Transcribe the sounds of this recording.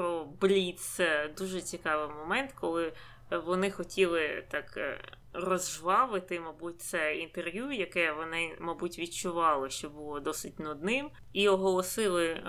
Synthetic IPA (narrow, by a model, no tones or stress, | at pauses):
pɾɔblʲit̪sɛd̪uʒɛt͡sʲikɑʋɪmɔmɛnt̪kɔlˠɪ | ʋɔnɪxɔtʲilˠɪt̪ɑk | rɔzʒʋɑʋɪt̪ɪmɐbut̚ʲt̪sɛint̪erʋʲjujɐkɛʋɔnɪmɐbutʲʋʲit͡ʃʊʋɑlˠɪʃt͡ʃɔbʊlˠɔd̪ɔsɪtʲnɔd̪nɪm | iɔɦɔlˠɔsɪlˠɪ